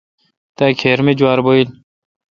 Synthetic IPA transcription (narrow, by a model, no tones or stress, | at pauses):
t̪ajkʰeːɾmed͡ʑwaːɾboil